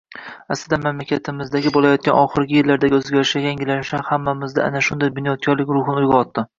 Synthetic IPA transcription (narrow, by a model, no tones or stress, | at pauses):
aslɪd̪anmamlakʲʰat̪ʰɪmɪzd̪aɡʲɪbolˠajɒt̪̚kʲanɒχɨɾɡʲɪjɪlːaɾd̪aɡʲɪɵzɡʲaɾɪʃajʲjaŋɡʲɪlanɪʃahamːamɪzd̪a̰ʔa̰naʃʊnd̪ajbʊnjɒt̪̚kʰʲɒɾlɪkʲɾʊhnɪʊjɡʲaɒt̪ːɪ